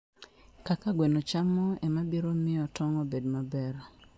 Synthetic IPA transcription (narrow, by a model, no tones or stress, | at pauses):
kakaɡwenot͡ʃamɔɛmabiɾomɪɔtɔŋɔbedmabɛr